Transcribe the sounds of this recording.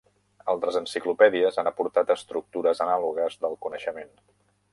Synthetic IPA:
əlˠt̪ɾəzənsiklupɛðiəzanəpuɾt̪at̪əst̪ɾuk̚t̪uɾəzənaluɣəzðəlˠkunəʃəmen

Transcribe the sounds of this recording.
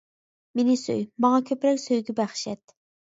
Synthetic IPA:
menɪsø̰jmɑŋɑkʲʰøpɾɛkʲsøjɡʲɛbæχʃɛt̪

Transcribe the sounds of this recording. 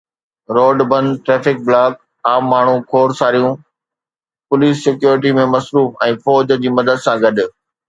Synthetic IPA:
ɾoːɖbɐ̃nʈɾeːfɪk̚blaːk̚ | aːmːaːɳ̤ũkʰoːɾsaːɾijũ | pʊliːsːɪkjuːɾɪʈ̬imẽmɐsɾuːfɛ̃ːfɔːd͡ʑ̆d͡ʑiːmɐd̪əd̪sãɡɐɗʊ̆

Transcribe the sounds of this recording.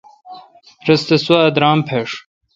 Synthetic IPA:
ɾɐst̪ɐsuad̪ɾaːmpʰeʂ

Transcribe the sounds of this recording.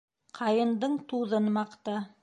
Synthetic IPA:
qʰɑjɤ̆nd̪ɤɴt̪uðɤnmɑqt̪ɤ

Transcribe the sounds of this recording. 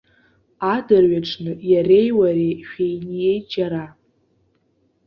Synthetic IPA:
adɨrɥaʈ͡ʂʰnɨjare̞jwaɾeʃᶣejnije̞jd͡ʒaɾa

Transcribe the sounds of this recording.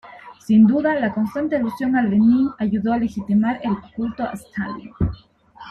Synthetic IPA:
sind̪uðalako̞nst̪ant̪ealusjo̞ŋalːeniŋaʝuðoalexit̪imaɾelkult̪oa̰st̪aljo

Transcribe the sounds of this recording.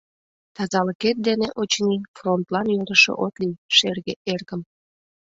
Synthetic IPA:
t̪ɑzɑləket̪̚d̪eneʔot͡ɕnifront̪lɑnjud̪əʃo̰ʔot̪lijʃerɣeʔerɣəm

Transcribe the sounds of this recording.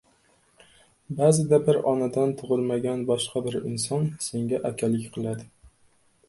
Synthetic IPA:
bazɪd̪abɪɾɒnad̪ant̪ʰʊʁɨlˠmaɡʲanbɒʃqɑbɪɾɪnsɒnse̞ŋɡʲaʔakʲʰalɪkʲqʰɨlˠad̪ɪ

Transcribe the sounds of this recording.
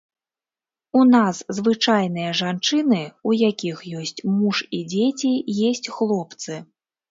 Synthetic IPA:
unaszvɨt͡ʂajn̪ɨjɐʐant͡ʂɨnɨujakʲixjɔsʲt͡sʲmuʂid͡zʲet͡sʲijɛsʲt͡sʲxlˠɔpt̪sɨ

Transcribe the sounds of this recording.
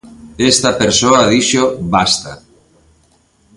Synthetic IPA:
est̪apeɾsoaðiʃobast̪a

